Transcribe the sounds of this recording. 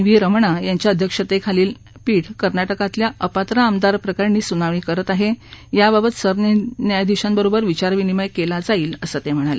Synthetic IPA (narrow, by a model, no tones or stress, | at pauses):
ʋiɾəmɳajaɲt͡ɕjaəd̪ʱjəkʂət̪ekʰaliːl | piːʈʰkəɾnaʈəkat̪ljaʔəpat̪ɾaːmd̪aɾpɾəkaɾniːsunaʋɳ̃iːkəɾət̪aɦejababət̪səɾnnjajd̪iɕambəɾobəɾʋit͡ɕaɾʋiniməjkelad͡zaiːləsət̪em̤əɽ̃alḛ